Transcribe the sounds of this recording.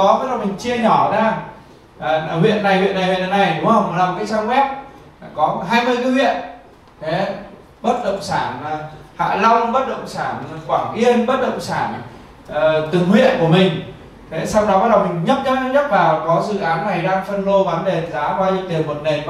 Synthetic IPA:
ɔ˨˦ɓaː˨˦˥ɗə˨˩ŋ͡mmï˨˩ŋ̟t͡ɕi˧əɲɔ˧˩zaː˧ | ʔə˧˩hwḭ˧˨ənːa˨˩jhwḭ˧˨ənːa˨˩jhwe˨˩na˨˩na˨˩jɗʊ˨˦ŋ͡mhə˧wŋ͡mɗa˨˩˨kaː˨˦jsaː˧ŋkwɛ˦˥p̚ | kɔ˨˦ɦaː˧jmɨ˧əjkɨː˧˨˦hwḭ˧˨ən | t̪ʰe˨˦ | ɓə˦˥t̚ɗə̰˧˨wŋ͡msaː˧˩n˨˩ha̰ː˧˨la˧wŋ͡mɓə˦˥t̚ɗə̰˧˨wŋ͡msaː˧˩n˨˩kwaː˧˩ŋʔi˧ənɓə˦˥t̚ɗə̰˧˨wŋ͡msaː˧˩n | ʔəː˨˩t̪ɨ˨˩ŋhwḭ˧˨ənku˧˩əmï˨˩ŋ̟ | t̪ʰe˨˦sa˧wɗɔ˨˦ɓaː˦˥t̚ɗə˨˩wmï˨˩ŋ̟ɲə˦˥t̚ɲa˦˥t̚ɲə˦˥t̚vaː˨˩wkɔ˨˦zɨ̰˧˨ʔaː˨˦nːa˨˩jɗaː˧ŋfə˧nlo˧vaː˨˦nɗe˨˩zaː˨˦kwaː˧ɲɨ̰˧˦ŋt̪i˨˩ənmo˨˩t̚ne˨˩n

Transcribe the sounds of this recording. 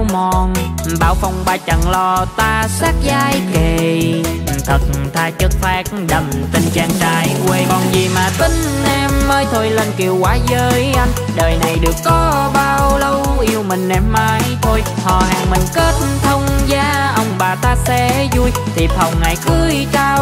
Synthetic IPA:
wmɔ˨˩nɓaː˧˩wfa˧wŋ͡mɓaː˧˩t͡ɕa˨˩ŋlɔ˧t̪aː˧saː˦˥k̚zaː˧jke˨˩ | t̪ʰə˨˩t̚t̪ʰaː˧t͡ɕə˦˥k̚faː˦˥k̚ɗə˨˩m | t̪i˧˩ŋ̟t͡ɕaː˧˩ŋt͡ɕaː˧˩jkwe˧kɔ˨˩nzi˨˩maː˨˩t̪i˧˨˦ŋ̟ | nɛ˧˩mːəː˧jt̪ʰo˧jlə˧nki˨˩əwkwaː˨˦zəː˧jʔa˧jŋ̟ | ɗəː˨˩jna˨˩jɗɨ˨˩əkːɔ˨˦ɓaː˧wlə˧wʔi˧əwmï˨˩ŋ̟nɛ˧˩mːaː˨˧jt̪ʰo˧jhɔ̰˧˨˩haː˨˩ŋmï˨˩ŋ̟kə˦˥t̚t̪ʰə˧wŋ͡mzaː˧ʔə˧wŋ͡mɓaː˨˩t̪aː˧sɛ̰˧˥zu˧j | t̪ʰi˨˩p̚hə˨˩wŋa˨˩jkɨ˧˦jt̪aː˧w

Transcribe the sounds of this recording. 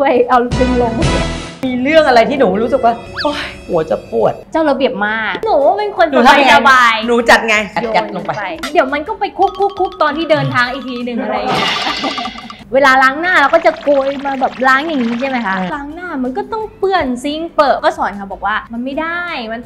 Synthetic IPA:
tʰu˥˩əjʔa˧wdɯ˧ŋlo˧ŋ˨˩miː˧ɾɯ˥˩əŋʔa˧ɾa˧jt̪ʰiː˥˩nuː˩˦ɾuː˦˥sɯ˨˩k̚waː˥˩ʔo˧˥jhu˨˩˦t͡ɕa˨˩pu˨˩ət̪̚t͡ɕaː˥˩wɾa˧bi˨˩əp̚maː˥˧˥k̚nuː˨˩˦pe˧nkʰo˧ə˧nt͡ɕːa˧a˥˧a˧sa˧baː˧jnuː˨˦t͡ɕa˨˩t̪̚ŋa˧ja˨˩o˧t͡ɕa˨˧lo˧ŋpa˧˦pa˧jdi˨˩˦wma˧nkɔː˥˩pa˧jkʰu˦˥˩kʰːu˦˥˩kʰːu˦˥k̚t̪ɔː˧nt̪ʰiː˥˩dɤː˧nt̪ʰaː˧ŋʔiː˨˩k̚t̪ʰiː˧nɯ˨˩ŋʔa˧ɾa˧jɲi˧˥˩ | weː˧laː˧laː˦˥ŋnaː˥˩lɛː˦˥wkɔː˥˩t͡ɕa˨˩ku˧jmaː˧bɛː˨˩p̚laː˦˥ŋja˨˩ŋːiː˦˥t͡ɕʰa˥˩ma˦˥jkʰa˦˥laː˦˥ŋnaː˥˩ma˧nkɔː˥˩t̪ɔ˥˩ŋpɯ˥˩ənsi˦˥ŋpɤː˨˩t̪̚kɔː˥˩sɔː˨˦nkʰa˧˩bɔː˨˩k̚waː˥˩ma˧nma˥˩jda˩˥˩jma˧n

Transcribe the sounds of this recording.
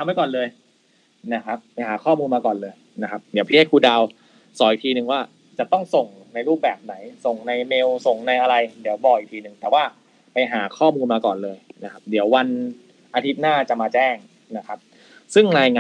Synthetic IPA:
a˧mːa˥˩kɔː˨˩nlɤː˧j | na˦˥kʰa˦˥p̚ːa˧jɦaː˩˦kʰɔː˥˩muː˧nmaː˧kɔː˨˩nlɤː˧j | na˦˥kʰa˦˥p̚di˩˦pʰi˦˥e˥˩kʰːuː˧da˧w | sɔː˩˦i˨˩kt̪ʰiː˧nɯ˨˩ŋwaː˥˩ | t͡ɕa˨˩t̪ɔ˥˩ŋso˨˩ŋ | na˧jɾuː˥˩p̚bɛː˨˩p̚na˩˦jso˨˩ŋna˧jme˧wso˨˩ŋna˧jʔa˧ɾa˧jdi˩˦əwbɔː˨˩kʔi˨˩t̪ʰiː˧nɯ˨˩ŋt̪ɛː˨˩waː˥˩ | pa˧jɦaː˩˦kʰɔː˥˩muː˧nmaː˧kɔː˨˩nlɤː˧jna˦˥kʰa˦˥p̚d̪iː˨˩˦əwa˧n | ʔa˧t̪ʰi˦˥p̪̚naː˥˩t͡ɕa˨˩maː˧t͡ɕɛː˥˩ŋ | na˦˥kʰa˦˥p̚ | sɯ˥˩ŋɾaː˧jŋaː˧

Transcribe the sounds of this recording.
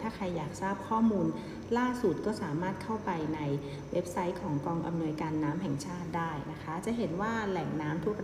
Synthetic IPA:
t̪ʰaː˥˩kʰa˧jːaː˨˩k̚saː˥˩p̚kʰɔː˥˩muː˧n | laː˥˩su˨˩t̪̚kɔː˥˩saː˩˦maː˥˩t̪̚kʰa˥˩wpa˧jna˧j | we˦˥p̚sa˦˥jkʰɔː˩˦ŋkɔː˧ŋʔa̰˧mnu˧əjkaː˧nːaː˦˥mɦɛ˨˩ŋt͡ɕʰaː˥˩t̪̚daː˥˩jna˦˥kʰa˦˥t͡ɕa˨˩ɦe˩˦nwaː˥˩lɛ˨˩ŋnaː˦˥mt̪ʰu˦˥˩k̚

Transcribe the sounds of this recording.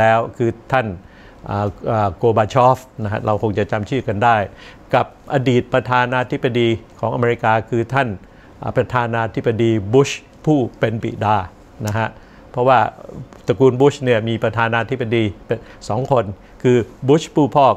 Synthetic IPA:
ɛː˦˥wkʰɯː˧t̪ʰa˥˩n | ʔaː˨˩ʔaː˨˩koː˧baː˧t͡ɕʰɔː˦˥fna˦˥kʰa̰˦˥ɾa˧wkʰo˧ŋt͡ɕa˨˩t͡ɕa˧mt͡ɕʰɯː˥˩ka˧ndaː˥˩j | ka˨˩p̚ʔaː˧diː˨˩t̪̚pɾa˧t̪ʰaː˧naː˧t̪ʰi˦˥bːa˧diː˧kʰɔː˩˦ʔa˧me˧ɾi˦˥kaː˧kʰɯː˧t̪ʰa˥˩n | ʔpɾa˧t̪ʰaː˧naː˧t̪ʰi˦˥ba˧diː˧bu˦˥ɕ | pʰuː˥˩pe˧npḭ˨˩daː˧˩ | na˦˥kʰa˦˥ʔ | pʰɾɔ˦˥waː˥˩t̪a˧kuː˧nbu˦˥ɕni˥˩ɐmiː˧pɾa˧t̪ʰaː˧naː˧t̪ʰi˥ba˧diː˧psɔː˩˦ŋkʰo˧n | kʰɯː˧bu˦˥ɕpʰuː˥˩pʰɔː˥˩

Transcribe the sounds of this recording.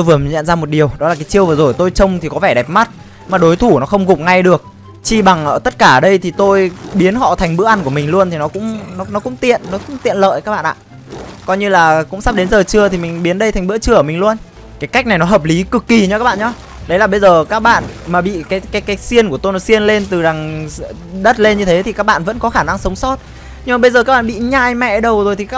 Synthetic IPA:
t̪o˧jvɨ˨˩əm˨˩ɲə̰˧˨nzaː˧mo˨˩t̚ɗi˨˩əwɗɔ˨˦laː˨˩kaː˨˦jt͡ɕi˧əwvɨ˨˩zo˨˩jt̪o˧jt͡ɕə˧wŋ͡mt̪ʰi˨˩kɔ˨˦vɛ˧˩ɗɛ˨˩p̚ma˦˥t̚ | maː˨˩ɗo˨˦jt̪ʰu˧˩nɔ˨˦xə˧wŋ͡mɣʊ˨˩k͡p̚ŋa˧jɗɨ˨˩ək̚ | t͡ɕi˧ɓa˨˩ŋʔəː˧˩t̪ə˦˥t̚kaː˧˩ɗə˧jt̪ʰi˨˩t̪o˧jɓi˨˦ənɦɔ̰˧˨t̪ʰa˨˩ŋɓɨ̰˧˥əʔa˧nku˧˩əmï˨˩ŋlu˧ənt̪ʰi˨˩nɔ˨˦kʊ̰˧˥ŋ͡mnɔ˨˦nɔ˨˦kʊ̰˧˥ŋ͡mt̪ḭ˧˨ənːɔ˨˦kʊ̰˧˥ŋ͡mt̪ḭ˧˨ənlə̰ː˧˨jkaː˦˥k̚ɓa̰˧˨ʔa̰ː˧˨ʔ | kɔ˧jɲɨ˧laː˨˩kʊ̰˧˥ŋ͡msa˦˥ɗe˨˦nzəː˨˩t͡ɕɨ˧ət̪ʰi˨˩mï˨˩ŋ̟ɓi˨˦ənɗə˧jt̪ʰa˨˩jŋɓɨ̰˧˥ət͡ɕɨ˧əəː˧˩mï˨˩ŋlu˧ən | kaː˨˦jka˦˥k̟̚na˨˩jnɔ˨˦ɦəː˨˩p̚li˨˦kɨ˨˩kːi˨˩ɲə˧ka˦˥ɓ̰a̰ː˧˨ɲɔ˧ | ɗə˨˦jlaː˨˩ɓə˧jzəː˨˩kaː˦˥k̚ɓa̰ː˧˨nmaː˨˩ɓḭ˧˨kaː˨˦jkaː˨˦jkaː˨˦jsi˧ənku˧˩ət̪o˧jnɔ˨˦si˧ənle˧nt̪ɨ˨˩za˨˩ŋ | ɗə˦˥t̚le˧nɲɨ˧t̪ʰe˨˦t̪i˨˩kaː˦˥k̚ɓa̰ː˧˨nvə̰˧˥nkɔ˨˦xaː˧˩na˧ŋsə˨˦wŋ͡msɔ˦˥t̚ | ɲɨ˧ŋ͡mmaː˨˩ɓə˧jzəː˨˩kaː˦˥k̚ɓaː˧˨ɓḭ˧˨ɲaː˧jmɛ̰˧˨ɗə˨˩wzo˨˩jt̪ʰi˨˩kaː˦˥

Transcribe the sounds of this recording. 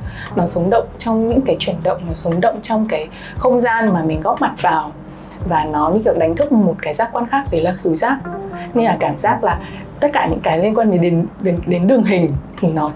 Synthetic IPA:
nɔ˨˦sə˨˦wŋ͡mɗə̰˧˨wŋ͡mt͡ɕwŋ͡mɲɨ̰˧˥ŋkaː˨˦jt͡ɕwi˧˩ənɗə̰˧˨wŋ͡mnɔ˨˦sə˨˦wŋ͡mɗə̰˧˨wŋ͡mt͡ɕɔ˧wŋ͡mkaː˨˦j | xə˧wŋ͡mzaː˧nmaː˨˩mï˨˩ŋ̟ɣɔ˦˥p̚ma˨˩t̚vaː˨˩w | vaː˨˩nɔ˨˦ɲɨ̰˧˥kḭ˧˨wɗa˨˦ŋ̟t̪ʰɨ˦˥k͡p̚mo˨˩t̚kaː˨˦jzaː˦˥kwaː˧nxaː˦˥k̚ɗə˨˦laː˨˩xi˨˦wzaː˦˥k̚ɲe˧nlaː˨˩kaː˧˩mzaː˦˥k̚laː˨˩ | t̪ə˦˥t̚kaː˧˩ɲɨ̰˧˥ŋkaː˨˦jli˧ənkwaː˧nɗe˨˩˦ɗe˨˦ne˨˦ɗe˨˦nɗɨ˨˩əŋɦï˨˩ŋ̟t̪ʰi˨˩nɔ˨˦

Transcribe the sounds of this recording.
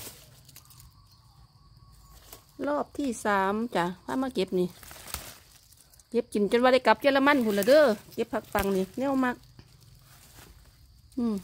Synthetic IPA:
lɔː˧˩p̚t̪ʰiː˧˩saː˨˦mt͡ɕa˨˩pʰaː˧˥˨maː˧˥˨ke˧˦˥p̚ni˧˩ | ke˧˦p̚t͡ɕi˨˦nt͡ɕo˧˨nwaː˧ɾa˧˩jka˨˧˦p̚t͡ɕɤː˧˥˨la˧ma˧˥˨npʰu˧˨la˧˨dɤː˧˥˨ke˧˦pʰːa˧˥k̚pa˨˩ŋniː˧˩nɛ˧˩˨wma˧k̚ | ʔɯː˧˩m

